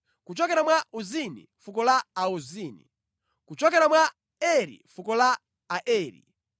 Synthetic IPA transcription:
kut͡ʃɔkɛɾamwauzinḭfukɔlaauziːnḭ | kut͡ʃɔkɛɾamwa | ɛɾḭfukɔla | aʔɛːɾḭ

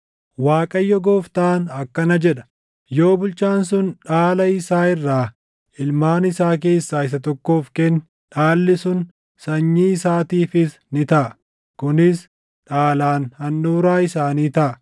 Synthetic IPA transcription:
waːkʼɐjːɔɡoːft̪aːnɐkːɐnɐd͡ʒɛᶑɐ̥ | jo̞ːbʊlt͡ʃaːnsʊnᶑaːlɐɪsaːɪrːaː | ɪlmaːnɪsaːk̬e̞ːsːaːɪs̬ɐt̪ɔkːo̞ːfkɛn | ᶑaːlːɪsʊn | sɐɲːiːɪsaːt̪iːfɪs | nɪt̪ɐʔɐ | kʊnɪs | ᶑaːlaːnhɐnːuːɾaːɪsaːniːt̪ɐʔɐ

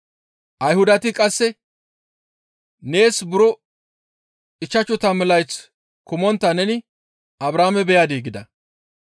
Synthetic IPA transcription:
ʔɐjhʊd̪ɐt̪ɪkʼɐsːɛ | ne̞ːsbʊɾɔ | ɪt͡ʃːɐt͡ʃːʊt̪ɐmɛlɐjt͡s | kʊmɔnt̪ːɐnɛnɪ | ɐbɾaːmɛbɛjad̪eːɡɪd̪ɐ̰

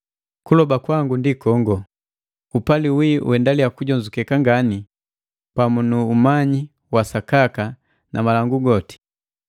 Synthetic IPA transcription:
kulɔbakwaŋɡundikɔŋɡɔ | upaliwḭwɛndalijakuɟɔɲd͡ʒukɛkaŋɡani | pamunuːmaɲi | wasakaka | nʔamalaŋɡuɡɔti̥

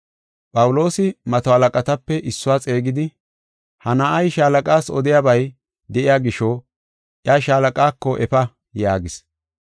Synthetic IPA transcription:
pʼɐwʊlo̞ːsɪmɐt̪ɔhɐlɐkʼɐt̪ɐpːɛʔɪsːʊwaːt͡sʼe̞ːɡɪd̪ɪ | hɐnaːʔɐjʃaːlɐkʼaːsɔ̰d̪ɪjaːbɐj | d̪ɛʔɪjaːɡɪʃɔ | ʔjaʃaːlɐkʼaːkːɔʔɛfɐ | jaːɡɪs

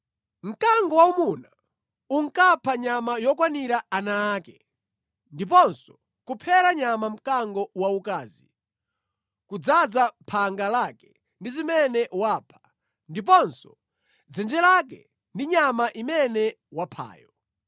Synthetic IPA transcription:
m̩kaŋɡɔwaumuna | uŋkapʰaɲamajɔkwaniɾaanaːkɛ | ndip̬ɔnsɔ | kupʰɛɾaɲamam̩kaŋɡɔwaukaːzi | kud͡zad͡zapʰaŋɡalakɛ̥ | ndizimɛnɛʔwapʰḁ | ndip̬ɔnsɔ | d͡zɛnd͡ʒɛlak̬ɛ̰ | ndiɲamaʔimɛnɛ | wapʰa̰ːjɔ

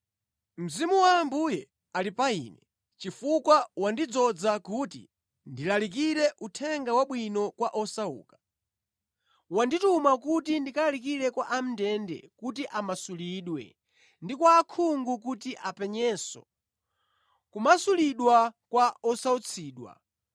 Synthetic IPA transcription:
m̩zimuwaːmbujɛ | alipaḭːnɛ | t͡ʃifukwawandid͡zɔd͡zakutḭ | ndilalik̬iɾɛʔutʰɛŋɡawaɓwinɔkwaʔɔsaṵːkḁ | wanditumakutindikalalikiɾɛkwaʔam̩ndɛndɛ̰kut̬iʔamasuliɗwɛ̰ | ndikwaːkʰuŋɡukutiʔapɛɲɛːsɔ̰ | kumasuliɗwakwaɔsaut͡sʰiːɗwa̰

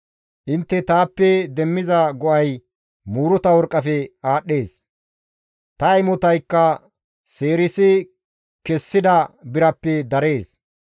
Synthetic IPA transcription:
ʔɪnt̪ːɛt̪aːpːɛd̪ɛmːɪzɐɡɔʔɐj | muːɾɔt̪ɐwɔɾkʼːɐfɛaːɗːe̞ːs | t̪ɐjmɔt̪ɐjkːɐ | seːɾɪsɪ | kɛsːɪd̪ɐbɪɾɐpːɛd̪ɐɾe̞ːs

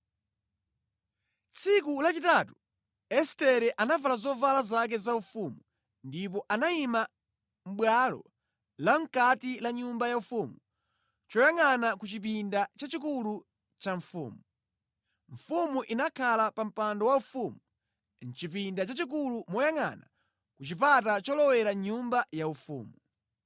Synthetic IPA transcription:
t͡sʰikulat͡ʃitatu | ɛstɛɾɛʔanavalazɔvalazak̬ɛzaufumu | ndip̬ɔʔanaima | m̩ɓwalɔ̰ | laŋ̩katilaɲumbajaufumu | t͡ʃɔjaŋanakut͡ʃip̬indat͡ʃat͡ʃikulu | t͡ʃaɱfṵːmu | ɱ̩fumuʔinakʰalapam̩pandɔwaufumu | n̩t͡ʃip̬indat͡ʃat͡ʃik̬ulumɔjaŋa̰na | kut͡ʃip̬atat͡ʃɔlɔwɛɾaɲumbajaufṵːmu

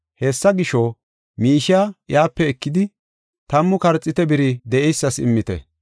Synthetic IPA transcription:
hɛsːɐɡɪʃo | miːʃɪajaːpːɛːkːɪd̪ɪ | t̪ɐmːʊkɐɾt͡sʼːɪt̪ɛbɪɾɪd̪ɛʔɛjsːɐsɪ̰mːɪt̪ɛ̰

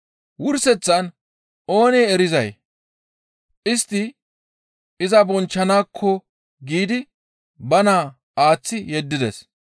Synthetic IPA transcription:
wʊɾsɛt͡sːɐn | ʔo̞ːneːɛɾɪzɐj | ʔɪst̪ːɪ | ɪzɐbɔnt͡ʃːɐnaːkʰːɔ | ɡiːd̪ɪ | bɐnaː | aːt͡sːɪjɛd̪ːɪd̪ɛs

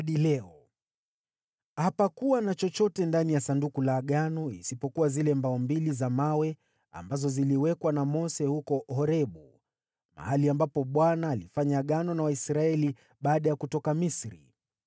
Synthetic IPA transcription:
ɗilɛɔ | hapakuwanat͡ʃɔt͡ʃɔtɛndanijasandukulaːɠanɔisipɔkuwazilɛmbaɔmbilizamawɛ | a̰mbazɔziliwɛkwanamɔsɛhukɔhɔɾɛɓu | ma̰haliambapɔɓwanaːlifaɲaːɠanɔnawaisɾaɛli | ɓaːɗajakutɔkamisɾḭ

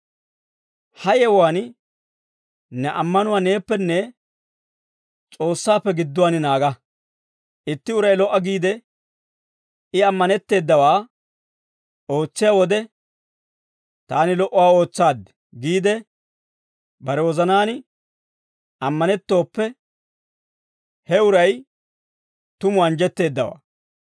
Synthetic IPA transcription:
hɐjɛwaːn | nɛʔɐmːɐnʊwaːne̞ːpːɛnːɛ | t͡sʼo̞ːsːaːpːɛɡɪd̪ːʊwaːnɪnaːɡɐ | ʔɪt̪ːɪʊɾɐjlɔʔːɐɡiːd̪ɛ | ɪɐmːɐnɛt̪ːe̞ːd̪ːɐwaː | o̞ːt͡sːɪjawɔd̪ɛ | t̪aːnɪlɔʔːɔwaːo̞ːt͡sːaːd̪ɛ̥ | ɡiːd̪ɛ | bɐɾɛwɔzɐnaːnɪ | ɐmːɐnɛt̪ːo̞ːpːɛ | hɛʊɾɐj | t̪ʊmʊɐnd͡ʒɛt̪ːe̞ːd̪ːɐwa̰ː

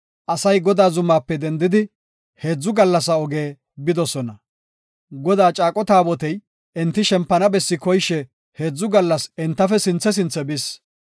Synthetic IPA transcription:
ʔɐsɐjɡɔd̪aːzʊmːaːpːɛd̪ɛnd̪ɪd̪ɪ | he̞ːd͡zːʊɡɐlːɐs̬ɐɔɡe̞ː | bɪd̪ɔsɔnɐ | ɡɔd̪aːt͡ʃʼaːkʼɔt̪aːbɔt̪ɛj | ɛnt̪ːɪʃɛmpːɐnɐbɛsːɪkɔjʃɛ | he̞ːd͡zːʊɡɐlːɐsɛnt̪ːɐfɛsɪnt͡sːɛs̬ɪnt͡sːɛbɪs

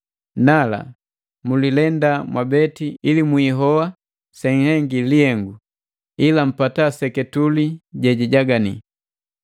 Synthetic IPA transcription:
nala̰ | mulilɛndamwʔabɛtiilimwiːɦɔwa | sɛŋhɛŋɡiliɛŋɡu | ilam̩patasɛkɛtuliɟɛɟiɟaɡanḭ

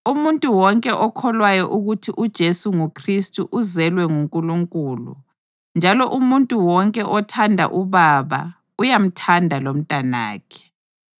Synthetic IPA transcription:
umuntʼuwɔŋkʼɛʔɔkʰɔlwajɔʔuɣutʰiʔud̥ʒ̥ʱesuŋukʰristʼuʔuzɛlwɛŋuŋkʼuluŋkʼuːlṵ | nd͡ʒʱalɔʔumuntʼuwɔŋkʼɛʔɔtʰandʱa̰ʔuβaβa̰ | ujam̩tʰandʱalom̩tʼana̰ːkʰɛ̥

